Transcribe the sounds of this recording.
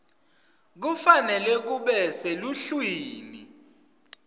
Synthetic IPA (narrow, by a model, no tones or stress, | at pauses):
k̬ufanɛlɛk̬uɓɛseluɬwiːni